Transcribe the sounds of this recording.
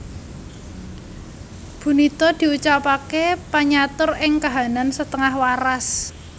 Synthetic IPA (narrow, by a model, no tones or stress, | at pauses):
b̥ṳnit̪ɔd̪̥i̤ut͡ʃapakepaɲat̪ʊrɪŋkaɦa̤nansət̪əŋahwaɾas